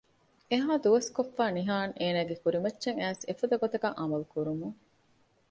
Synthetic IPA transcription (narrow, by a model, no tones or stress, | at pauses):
eɦaːd̪uʋɐskofːaːniɦaːnʔeːnæːɡekuɾimɐtːʃeŋæːsefɐd̪ɐɡot̪ɐɡɐŋʔɐmɐlukuɾumuŋ